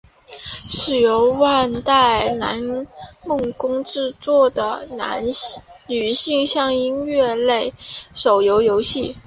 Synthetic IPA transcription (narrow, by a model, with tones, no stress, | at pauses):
ʂɻ̩˥˩jo˧˥ʊwa˥˧nt̪a˥˩ɪna˧˥nmɤ˥˧˩ŋkʊ˥ŋʈ͡ʂɻ̩˥˧t͡swɔ˥˩d̪ə˩na̰˧˥nny˨˩ɕi˥˧ŋɕjɑ˥˧ŋi˥nɥɛ˥˧le˥˩ɪʂo˨˩ʊjo˧˥ʊjo˧˥ʊɕi˥˩